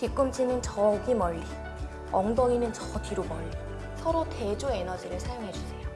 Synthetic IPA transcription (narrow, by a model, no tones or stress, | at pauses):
tik͈ɯmt͡ɕʰinɯnt͡ɕʌɡimʌʎːi | ʌŋdʌŋinɯnt͡ɕʌtiɾomʌɭːi | sʰʌɾote̞d͡ʑue̞nʌd͡ʑiɾɯɭsʰajoŋɦe̞d͡ʑusʰejo